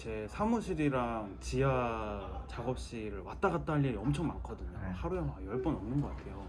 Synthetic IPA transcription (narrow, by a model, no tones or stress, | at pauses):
t͡ɕe̞sʰamuɕʰiɾiɾaŋt͡ɕija | t͡ɕaɡʌp̚ɕ͈iɾɯɭwat͈aɡat͈̚aɦʎːiɾiʌmt͡ɕʰʌŋmankʰʌdɯɲohaɾuamajʌɭp͈ʌnʌmnɯnɡʌk͈atʰe̞jo